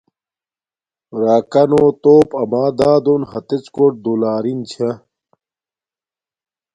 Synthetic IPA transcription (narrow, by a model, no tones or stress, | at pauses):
ɾaːkɐnoːt̪oːpɐmaːd̪aːd̪onhɐt̪et͡skoʈ̚d̪ulaːɾint͡ɕʰɐ